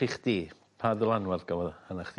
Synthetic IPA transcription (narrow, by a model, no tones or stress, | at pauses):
iχd̥iː | pʰaðʊlˠanwarɡavɔðanaχd̥